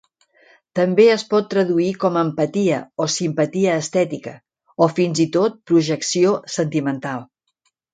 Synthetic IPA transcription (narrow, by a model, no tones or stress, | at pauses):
t̪əmbeəspɔt̪ːɾəðuikɔməmpət̪iə̰osimpət̪iəːst̪ɛt̪ikə | ofinzit̪ot̪̚pɾuʒəksiosənt̪imənt̪alˠ